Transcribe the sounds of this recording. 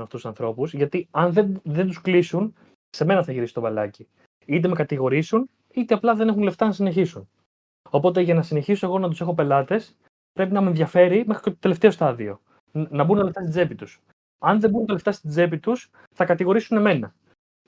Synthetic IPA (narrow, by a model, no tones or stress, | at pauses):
nɐft̪ususɐnθɾo̞puzʝɐt̪iɐnðeðend̪usklisun | se̞me̞nɐθɐʝiɾisi̥t̪obɐlɐ̰ci | it̪̬emekɐt̪iɣo̞ɾisun | it̪eɐplɐðe̞ne̞xunle̞ft̪ɐnɐsine̞çisun | o̞po̞t̪̬e̞ʝɐnɐsine̞çisoeɣo̞nɐt̪use̞xo̞pe̞lɐt̪e̞s | pɾe̞pinɐmenðʝɐfe̞ɾimexɾicet̪ot̪ele̞ft̪eost̪ɐðio̞̰ | nɐbunɐleft̪ɐst̪id͡ze̞pit̪us | ɐnðe̞bunt̪ɐle̞ft̪ɐst̪id͡ze̞pit̪us | θɐkɐt̪iɣo̞ɾisune̞me̞nɐ